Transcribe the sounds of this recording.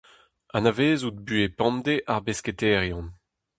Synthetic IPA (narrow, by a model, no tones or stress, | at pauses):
anaveːzut̚byepɑ̃md̪eʔaʁbesket̪ɛːʁjɔ̃n